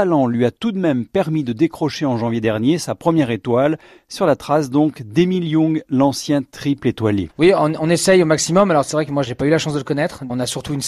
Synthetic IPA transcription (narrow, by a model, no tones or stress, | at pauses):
alɑ̃lɥiat̪ud̪mɛmpɛʁmid̪əd̪ekχɔʃeɑ̃ʒɑ̃vjed̪ɛʁnjesapχəmjɛʁet̪wal | syʁlat̪χasd̪ɔ̃kd̪emiljɔ̃ɡlɑ̃sjɛ̃t̪χiplet̪waljḛwiɔ̃ɔ̃nesɛjomaksimɔmalɔʁsɛvʁɛkəmwaʒepaylaʃɑ̃sd̪ələkɔnɛt̪χɔ̃nasyʁt̪uyn